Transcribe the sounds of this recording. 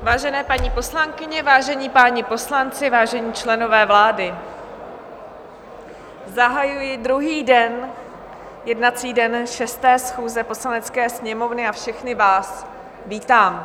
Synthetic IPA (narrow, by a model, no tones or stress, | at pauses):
vaːʒɛnɛːpaɲipo̞slaŋkɪɲɛvaːʒɛɲiːpaːɲɪpo̞slant͡sɪvaːʒɛɲiːt͡ʃlɛno̞vɛːvlaːdɪ | zaɦajujɪdɾuɦiːdɛn | jɛdnat͡siːdɛnʃɛst̪ɛːsxuːzɛposlanɛt͡skɛːsɲɛmo̞vnɪafʃɛxnɪvaːs | viːt̪aːm